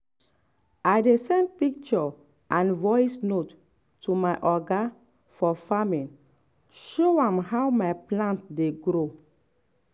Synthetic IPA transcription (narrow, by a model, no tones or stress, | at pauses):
ajdesɛ̃nd̚pik̚t͡ʃɔ | ʔãnvɔjsnot | tumaɪʔɔɡa | fɔfamĩn | ʃoãmhawmajplãntdeɡɾo